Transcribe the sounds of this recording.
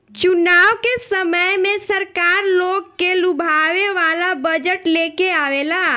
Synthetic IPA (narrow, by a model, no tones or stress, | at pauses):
t͡ʃʊnaːʋkesəməjmẽsəɾkaːɾloːɡkelʊbʱaʋeʋaːlabəd͡ʒəʈlekeaːʋelaː